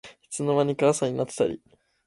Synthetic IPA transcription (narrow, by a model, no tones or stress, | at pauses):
çi̥t͡sɨno̞maɲ̟ikasaɲ̟inat̪ːe̥t̪a̰ɾʲḭ